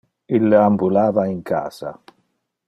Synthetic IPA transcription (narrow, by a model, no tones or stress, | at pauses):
ilːambulaːvaiŋkʰa̰ːsa̰